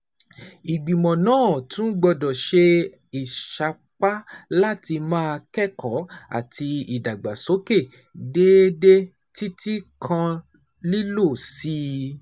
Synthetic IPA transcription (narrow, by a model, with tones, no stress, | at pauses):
i˨ɡ͡bĩ˨mɔ̃˨nãː˦˨tũ˦ɡ͡bɔ˧dɔ̃˨ʃe˧ | i˨ʃa˧ | k͡pa˦la˦ti˧mãː˦˧kɛ˦˨kʰɔ˨˦a̰˨ti˧i˨da˨ɡ͡ba˨so˨˦ke˦˨ | de˦de˦ | ti˦tʰi˦kʰã˧ | li˦lo˦˨si˦